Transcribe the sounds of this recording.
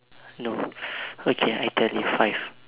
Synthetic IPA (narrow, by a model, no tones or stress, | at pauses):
no | okʰea̰jtʰɛljufajv̥